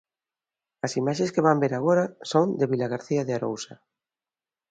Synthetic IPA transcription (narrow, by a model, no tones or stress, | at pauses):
asimaʃẽskeβ̞ambeɾaɣ̞oɾasond̪eβilaɣ̞aɾθiaðeaɾo̰wsa